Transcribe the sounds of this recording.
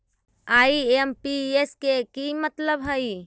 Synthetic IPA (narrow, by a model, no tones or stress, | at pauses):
aːiempieskekimət̪ləbɦəi